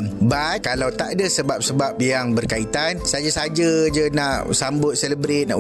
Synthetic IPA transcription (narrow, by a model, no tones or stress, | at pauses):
mbat̪̚kalawt̪adasəbap̚səbap̚jaŋbərkait̪ansad͡ʒasad͡ʒad͡ʒənãʔsambʊt̪̚sɛləbɾɪt̪̚na̰ʔ